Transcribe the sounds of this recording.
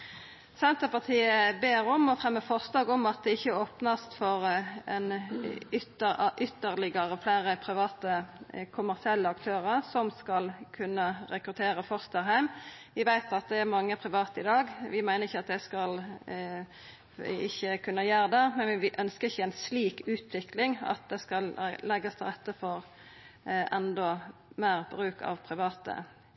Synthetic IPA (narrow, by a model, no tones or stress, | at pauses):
sɛnt̪əpɑʁt̪ʰiːəbeːɾɔmɔfɾɛmːəfɔʁslɑːɡɔmɑt̪̚d̪ɛɪçːəoːpnəst̪fɔʁɛ̰nʏt̪əʔʏt̪ːəʁlɪɡəɾəflæːɾəpʰɾɪʋɑːt̪əkʰʊmæʁsɪɛlːəɑkt̪ʰøːʁəʁsɔmskɑlkʰʉnːəɾɛkɾʉt̪ʰeːɾəfɔʁst̪əɾɦæɪmʋɪʋæɪt̪ɑt̪̚d̪ɛæɾmɑŋːəpʰʁɪʋɑːt̪əɪd̪ɑːɡʋɪmæɪnəʁɪçːəɑt̪̚d̪ɛskɑl | ɪçːəkʰʉnːəjæːɾəd̪ɛmɛnʋɪʋɪʔœnskəɾɪçːəɛɪnsliːkʉːt̪ʰʋɪklɪŋɑ̰t̪̚d̪ɛskɑllɛɡːəst̪ʰɪlʁɛt̪ːəfɔɾ | ʔɛnd̪ɔmæːʁbɾʉːkɑ̰ʋpʰʁɪʋɑːt̪ə̰